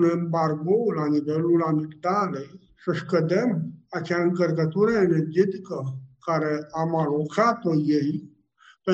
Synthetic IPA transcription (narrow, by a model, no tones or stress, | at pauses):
nembarɡo̞lanivelulamikt̪alej | səʃkəd̪emat͡ʃeaɨŋkərkət̪uɾəenerd͡ʒet̪ikəkaɾeamalokat̪ojej | pe